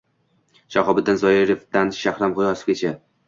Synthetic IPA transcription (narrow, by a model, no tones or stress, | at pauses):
ʃaχɒbɪd̪anzɒjɪɾɪfd̪anʃaχɾamʁʊjɒsɪ̥fɡʲet͡ʃʰa